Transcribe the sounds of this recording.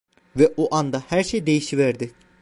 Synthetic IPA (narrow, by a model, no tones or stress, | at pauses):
vɛʔoʔand̪ahæɾʃejd̪e̞jiʃivæɾd̪ɪ